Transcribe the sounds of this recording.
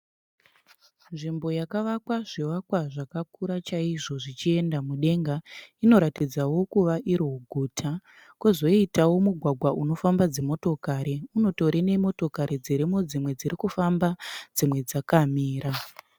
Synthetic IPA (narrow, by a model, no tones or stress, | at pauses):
nʐimbo̞jakaʋakwaʐiʋakwaʐakakuɾat͡ʃaiʐo̞ʐit͡ʃie̞ndamuɗe̞ŋɡaino̞ɾatid͡zawo̞kuʋaʔiɾouɡʱuːtʰa | kuzo̞itawo̞muɡʱwaɡʱwaʔuno̞fambad͡ze̞mo̞to̞kaɾiuno̞to̞ɾene̞mo̞to̞kaɾid͡ziɾimo̞d͡zimwe̞d͡ziɾikufambad͡zimwe̞d͡zakamiːɾa